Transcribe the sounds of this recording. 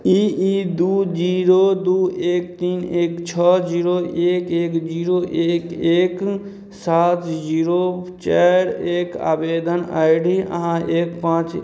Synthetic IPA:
iid̪uːd͡ʒiɾoːd̪ueːkt̪iːneːkt͡ʃʰəd͡ʒiːɾoʔeːkeːkd͡ʒiːɾoʔeːkeːk | saːt̪d͡ʒiːɾot͡ʃaɾeːka̰ːbeːd̪ənə̰jɽiə̰ɦãʔeːkpãːt͡ʃ

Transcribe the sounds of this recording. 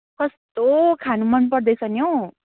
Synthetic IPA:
kʌst̪okʰanumʌnpʌrd̪ʌjsʰʌnjo

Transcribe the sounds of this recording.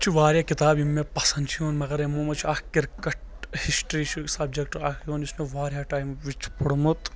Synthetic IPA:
t͡ʃʰiʋaːɾjaːkit̪aːbimːepɐsɐnd̪t͡ʃʰioːnmɐɡɐɾemoːmɐt͡ʃʰiaːkkiɾkɐʈ | hisʈɾiːt͡ʃʰisɐb̚d͡ʒek̚ʈaːkʰoːnisnoʋaːɾjaːʈaːjmʋit͡ʃʰpuɽmut̪

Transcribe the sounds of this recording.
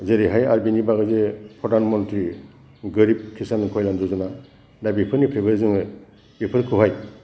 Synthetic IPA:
zeɾiɦajaɾbinibaɡɯzepʰɾɔdanmɔntɾi | ɡɯɾip̚kʰisankʰɔjlanzɔzɯna | dabipʰɯɾnipʰɾibɯzɯŋɯ | ipʰɯɾkʰɯɦaj

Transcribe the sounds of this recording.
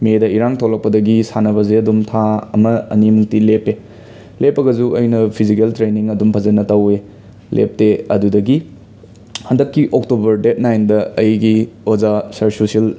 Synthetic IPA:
medɐiɾaŋtʰolɐk̚pɐdɐɡisanɐβɐzeɐdumtʰaɐmɐɐ̰nimuŋtilepe | lepːɐɡɐzuʔɐjnɐpʰizikeltɾeniŋɐdumpʰɐzɐnɐtɐwe | lʔḛp̚teɐ̰dudɐɡi | hɐndɐkːiʔoktobɐɾdet̚najndɐɐjɡiozasɐɾsusil

